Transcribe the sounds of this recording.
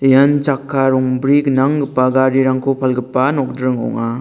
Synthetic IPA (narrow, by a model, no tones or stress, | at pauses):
jant͡ʃakʰːaɾɔŋbɾiknaŋɡɯpːaɡaɾiɾaŋkʰopʰalɡɯpːanɔk̚dɾɯŋɔ̰ŋa